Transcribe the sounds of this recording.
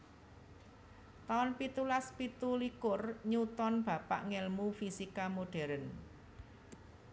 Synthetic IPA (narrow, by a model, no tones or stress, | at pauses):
t̪anpit̪ulaspit̪ulikʊrɲut̪ɔnb̥ä̤pa̰ʔŋɛlmufisikamoɖ̥ɛ̤ɾən